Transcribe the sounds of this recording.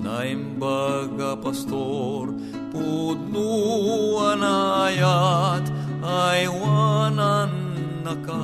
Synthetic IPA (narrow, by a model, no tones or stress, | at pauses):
naimbaɡɐpɐst̪oɾ | pud̪̚nu | ɐnajat̪ | ajwananː | ɐka